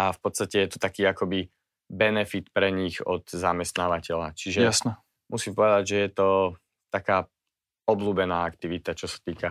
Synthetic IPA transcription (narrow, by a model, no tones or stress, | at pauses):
afpɔt̪st̪acɛjɛt̪ɔ̥t̪akiːakɔbi | bɛnɛfit̪pɾɛɲiɣɔt̪zamɛst̪naːʋacɛʎat͡ʃiʒɛjasnɛ | mʔusimpɔʋɛd̪aɟʒɛjɛt̪ɔ | t̪akaː | ɔbluːbɛnaːakt̪iʋit̪at͡ʃɔsḁt̪iːka